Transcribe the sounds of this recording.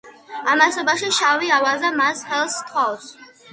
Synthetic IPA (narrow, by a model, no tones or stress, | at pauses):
amasɔbaʃiʃaviavazamasχɛlˠst̪ʰχɔs